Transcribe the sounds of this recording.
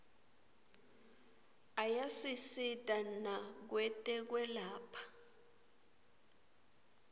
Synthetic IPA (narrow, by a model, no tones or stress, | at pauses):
ajasisitʼanak̬wɛtʼɛk̬wɛlaːpʰḁ